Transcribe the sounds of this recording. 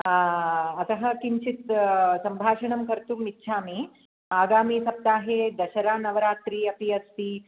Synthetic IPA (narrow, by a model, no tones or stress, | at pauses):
ɐt̪ɐɦɐkiɲt͡ʃit̪sɐmbʱaːʂɐɳɐmkɐɾt̪uːmitːʃʰaːmi | aːɡaːmiːsɐp̚t̪aːɦed̪ɐɕɐɾaːnɐʋɐɾaːt̪ɾiːɐpiɐst̪iː